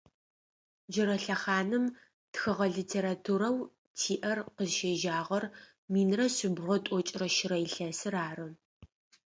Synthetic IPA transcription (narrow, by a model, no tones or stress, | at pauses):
d͡ʒɪɾɐɬɐχaːnɨm | txɨʁɐɮitʰeːɾatʰuɾɐw | tʰiːʔɐrqəzʃeːʒaːʁɐr | miːnrɐsɪbʁʷɔtʷʼɔt͡ʃʼɪrɐʃɪɾɐjɪɬɐsɨɾaːrɨ